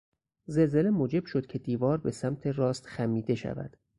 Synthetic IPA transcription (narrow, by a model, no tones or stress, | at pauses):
ze̞lze̞le̞moːd͡ʒe̞b̥ʃo̞d̪̥cʰe̞d̪iːvɒːɾbe̞sæmt̪ʰe̞rɒːst̪xæmiːd̪e̞ʃæ̰væ̰d̪̥